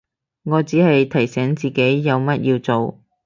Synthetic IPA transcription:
ŋɔː˨˧t͡siː˨˥hɐ˨jt̪ʰɐ˨˩jsɛː˨˥ŋt͡siː˨ke˨˥jːɐ˨˧wmɐ˥t̚jʔiː˧wt͡so˨w

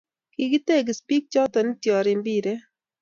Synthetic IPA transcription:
ki˨ɡi˦t̪e˦˨ɡɪ˨spi˦k̚t͡ʃɔ˦t̪ɔ˨nɪ˦t̪jɔ˨ɾɪ˨mbi˦ɾe˦

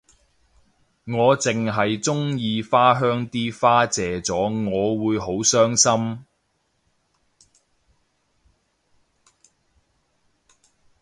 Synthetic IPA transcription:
ŋɔː˨˧t͡sɪ˨ŋɦɐ˨jt͡sʊ˥ŋjiː˧faː˥ɦœː˥ŋt̪iː˥faː˥t͡sɛː˨t͡sɔː˨˥ŋɔː˨˧wuː˨˧jɦo˨˥wsœː˥ŋsɐ˥m

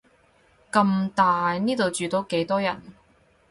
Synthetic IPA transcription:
kɐ˧mt̪aː˨jniː˥t̪o˨wt͡ʃyː˨t̪o˨˥wke˨˥jt̪ɔː˥jɐ̰˨˩n

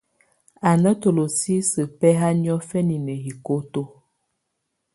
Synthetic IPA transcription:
a˨nə˦to˨lo˨si˦sə˨pɛ˦ɦa˦njɔ˦fɛ˦ni˨nə˨hi˨ko˦to˦

